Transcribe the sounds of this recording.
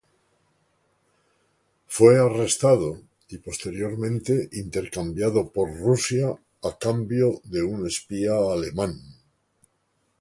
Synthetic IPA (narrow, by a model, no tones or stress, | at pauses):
fweare̞st̪að̞o | ipo̞st̪e̞ɾjo̞ɾmẽnt̪e̞ʔint̪e̞ɾkambjaðopoɾrusjaː | kambjoðe̞une̞spiaːle̞mãn